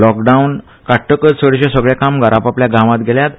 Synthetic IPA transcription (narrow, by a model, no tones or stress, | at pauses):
lɔkɖaun | kaʈʰːəkəd͡zsəɽɕãsəɡɭakamɡaɾʔapapljaɡʱãʋãt̪ɡʱeljat̪